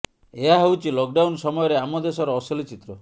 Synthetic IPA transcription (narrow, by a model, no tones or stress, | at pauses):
eɦaɦewt͡ʃʰilɔk̚ɖawnsɔmɔjɔɾeamɔd̪esɔɾɔːsɔlit͡ʃit̪ɾɔ